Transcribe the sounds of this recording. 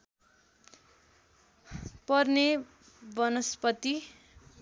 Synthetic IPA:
pʌrne | bʌnʌspʌt̪i

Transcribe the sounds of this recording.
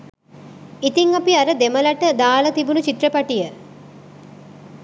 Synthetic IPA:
it̪iŋapiaɾəd̪eməlaʈəd̪aːlət̪ibunut͡ʃit̪repaʈijə

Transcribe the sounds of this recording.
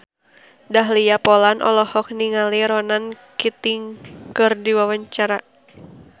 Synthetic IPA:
daɦlijapɔlanʔɔ̰lɔhɔk̚niŋaliɾɔnan | kit̪ɪŋkɨrdiwawaɲt͡ʃaɾa

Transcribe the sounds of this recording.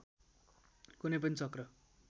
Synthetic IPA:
kunep̬ʌnit͡sʌkrʌ

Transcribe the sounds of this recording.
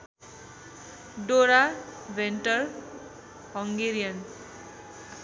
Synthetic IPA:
ɖoɾabʱenʈʌr | ɦʌŋɡeɾijʌn

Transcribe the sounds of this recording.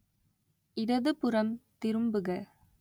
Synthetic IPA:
ɪɾɐðɯpɯɾɐmt̪ɪɾɯmbɯɣɐ

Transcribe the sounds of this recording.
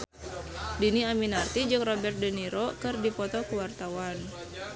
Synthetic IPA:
diniaminart̪id͡ʒɨŋrɔbɛrt̪̚dəniɾɔkɨrdipɔt̪ɔkuwart̪awan

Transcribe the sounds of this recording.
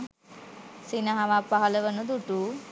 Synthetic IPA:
sinaɦaʋapaɦɐləʋənud̪uʈu

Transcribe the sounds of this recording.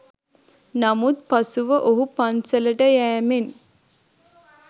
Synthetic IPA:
namut̪̚pasuʋəʔoɦupansələʈəjæːmen

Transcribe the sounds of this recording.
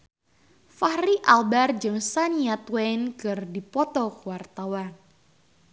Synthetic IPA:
fahɾiʔalbard͡ʒɨŋsaniat̪wɛnkɨrdipɔt̪ɔkuwart̪awan

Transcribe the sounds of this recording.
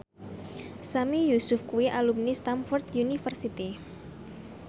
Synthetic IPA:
samijusʊfkuiʔalumnist̪amfɔrt̪junifərsit̪i

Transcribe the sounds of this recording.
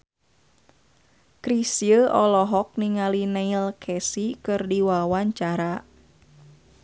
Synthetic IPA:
kɾisiəʔɔlɔɦɔk̚niŋalinailkʰɛsikɨrdiwawaɲt͡ʃaɾa

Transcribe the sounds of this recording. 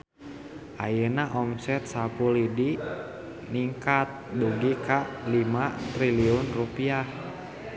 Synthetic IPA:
ʔajənaʔɔmsɛt̪̚sapulidi | niŋkat̪̚duɡikaʔlimat̪ɾiliʊnrupiah

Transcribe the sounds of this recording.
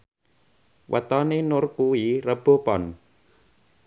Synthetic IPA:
wʔa̰t̪ɔnenʊrkuirəb̥o̤pɔn

